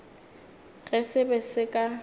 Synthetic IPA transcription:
ɣɛsɪbɛsɪkʼa

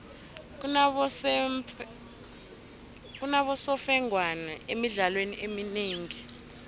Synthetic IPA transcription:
k̬unaɓɔsɔfɛŋʱwanɛemiɮalweniʔemineːŋi

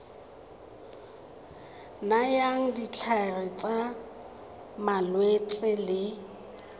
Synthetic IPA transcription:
najaŋ̩dit͡ɬʰarɪt͡sʼa | malwet͡sʼɪlɪ

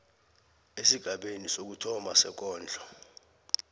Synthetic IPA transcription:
esiɡ̥ʱaɓenisok̬utʰɔmasɛ̰k̬ɔːnd͡ɮʱɔ

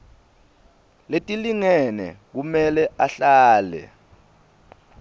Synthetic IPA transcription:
letʼiliŋɛnɛ̰k̬umɛlɛʔaɬaːlɛ̰

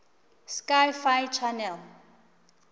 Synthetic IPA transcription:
skajfajt͡ʃʰanɛl

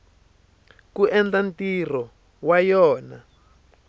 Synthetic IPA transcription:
kuʔɛnd͡ɮantirɔ | wajɔːna

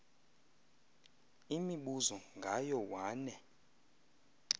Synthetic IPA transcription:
imiɓuzɔŋɡʱajɔwaːnɛ

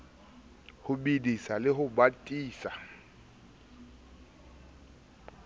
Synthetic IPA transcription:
hʊbidisalɪɦʊbatʼiːsa

